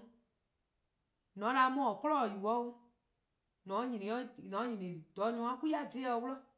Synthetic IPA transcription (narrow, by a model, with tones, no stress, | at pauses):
nɔ̃˨˦la˧˦mɔ̃˦˨kɔ˦lɔ˦˨ju˨wɔ˨˦u˦ | nɔ̃˨˦ɲĩ˨nĩ˨˦ɔ˦nɔ̃˨˦ɲĩ˨nĩ˨d̥ɔ˨˦ɲũ˧˦ã˦ku˦a˦˨de˦˧wlɔ˦